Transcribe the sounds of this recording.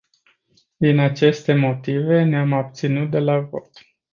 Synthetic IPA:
d̪inat͡ʃe̞st̪e̞mo̞t̪ive̞neamab̚t̪sinut̪̚d̪e̞lavo̞̰t̪

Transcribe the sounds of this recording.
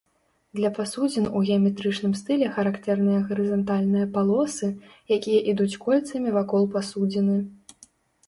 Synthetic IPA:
d̪lʲɐpasud͡zʲinuɣʲɛɐmʲɛt̪ɾɨt͡ʂnɨmst̪ɨlʲɛxɐɾakt̪ɛrnɨjɐɣɐɾɨzant̪alʲnɨjɐpalˠɔsɨjakʲijɐʔid̪ut͡sʲkɔlʲt̪sɐmʲivakɔlˠpasud͡zʲinɨ

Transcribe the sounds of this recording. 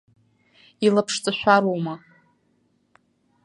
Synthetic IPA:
ilapʰʂt͡sʼaʃʷᶣaɾoma

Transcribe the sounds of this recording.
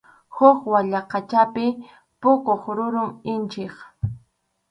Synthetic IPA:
hʊχwaʎaqɑt͡ʃapɪ | pʊkoχɾʊɾʊmɪnt͡ʃeχ

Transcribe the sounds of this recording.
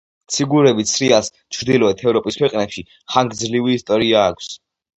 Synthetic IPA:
t̪sʰiɡuɾɛbit̪sʰɾias | t͡ʃʰɾd̪ilˠɔɛt̪ʰɛvɾɔpʼiskʰwɛqʼnɛpʃi | χaŋɡd̪zliviːst̪ʼɔɾiaːkʰs

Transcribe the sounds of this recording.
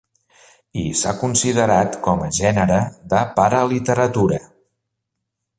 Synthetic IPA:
isa̰kunsiðəɾat̪kɔməʒɛnəɾəðəpaɾəlit̪əɾət̪uɾə

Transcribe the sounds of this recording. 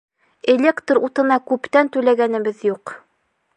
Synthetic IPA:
elʲe̞kt̪rut̪ɤ̆nɑkʉpt̪ænt̪ʉlæɡænɘ̆bɘðjuq

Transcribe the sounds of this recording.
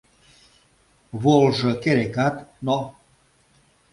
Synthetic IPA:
βolʒɤ̆keɾekat̪no

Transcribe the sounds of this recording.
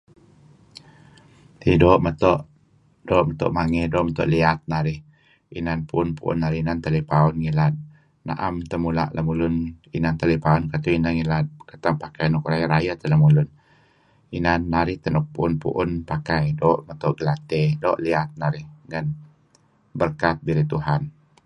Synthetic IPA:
t̪idoʔmət̪ɔʔ | doʔmət̪ɔ̰ʔmaŋedɔʔmət̪ɔ̰ʔliat̪̚naɾɪh | inanpuʔʊnpuʔʊ̰nːaɾɪhinant̪əlipaɔnŋilat̪̚ | na̰ʔamt̪əmula̰ʔlʔamulʊninant̪alipaɔnkat̪uinaŋilat̪̚kat̪aŋpakajnɔkɾajaʔɾajat̪ələmulʊn | inanːaɾɪht̪ənɔk̚puʊnpṵʔʊnpakajdoːʔmət̪ɔʔɡəlat̪edoʔliat̪̚naɾɪhŋan | bərkat̪̚biɾit̪uɦan

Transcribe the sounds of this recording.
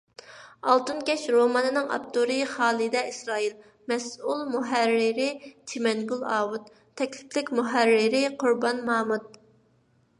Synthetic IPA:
ɑlˠt̪ɨnkʲɛʃɾomɑnɨnɨŋɑ̰pt̪uɾɨχɑːlˠɨd̪ɛisɾɑːil | mɛsulˠmuɦæɾːɪɾɪt͡ʃʰimɛŋɡulˠɑːwut̪ʰː | ɛkʲlɪ̥plɪkʲmuɦæɾːɪɾɪqʰʊɾbɑnmɑːmut̪̚

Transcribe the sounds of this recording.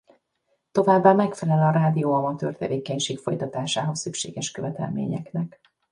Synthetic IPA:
t̪o̞vaːbːaːmɛkfɛlɛlɒɾaːd̪ijoːɒmɒt̪ø̰ːrt̪ɛveːkɛɲʃeːkfo̞jt̪ɒt̪aːʃaːɦo̞sːykʃḛːɡɛʃkøvɛt̪ɛ̰lmḛːɲɛ̰knɛk

